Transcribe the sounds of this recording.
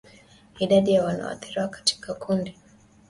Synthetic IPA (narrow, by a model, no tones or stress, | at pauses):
iɗaɗijawana̰wa̰θiɾiwakḁti̥kakʰundi